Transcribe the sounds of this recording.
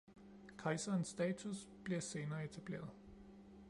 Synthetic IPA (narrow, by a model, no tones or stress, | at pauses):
kʰɑ̈ɪsɐnsːd̥ɛːt͡sʰus | b̥liɐse̝ːnɐːe̝t͡sʰæb̥le̝̰ːɐðˠ